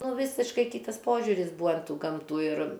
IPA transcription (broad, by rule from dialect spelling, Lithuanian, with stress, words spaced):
ˈnʊ ˈʋʲiːsʲɪʃkɐɪ ˈkʲiːtɐs ˈpoːʒʲʊrʲɪs ˈbuːɐ ɐn ˈtuː ˈɡɐmtuː ɪr